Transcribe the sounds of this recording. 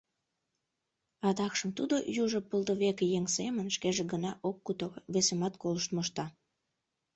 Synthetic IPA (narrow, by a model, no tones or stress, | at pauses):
ɑd̪ɑkʃəmt̪ud̪ojuʒəpəld̪əβekjeŋsemənʃkeʒĕɡənɑʔokːut̪oβesemɑt̪koləʃt̪moʃt̪ɑ